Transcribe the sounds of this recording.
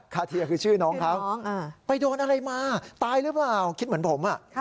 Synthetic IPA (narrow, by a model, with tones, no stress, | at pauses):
kʰaː˧˩t̪ʰi˧ɐkʰɯː˧t͡ɕʰɯː˥˩nɔː˦˥kʰa˦˥p̚ːŋaː˧˩pa˧jdoː˧nʔa˧ɾa˧jmaː˧t̪aː˧jɾɯ˦˥plaː˨˩wkʰi˦˥t̪̚mɯ˩˦npʰo˩˦mʔa˨˩ʔ